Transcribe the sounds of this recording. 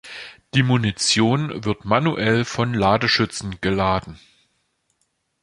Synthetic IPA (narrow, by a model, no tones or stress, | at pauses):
d̥iːmunit͡sjoːnvɪɐtmanuʔɛlfɔnlaːdəʃʏt͡sn̩ɡ̥əlaːdn̩